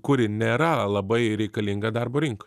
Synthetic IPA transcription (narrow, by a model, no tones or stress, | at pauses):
kʊɾʲɪnʲeːɾɐlˠɐbɐɪɾʲɛɪkɐlʲɪŋɡɐd̪ɐrboːɾʲɪŋkɐ̥